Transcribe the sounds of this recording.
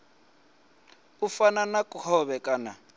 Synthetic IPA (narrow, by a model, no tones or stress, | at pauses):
ufananakʼuhɔβɛkʼaːna̰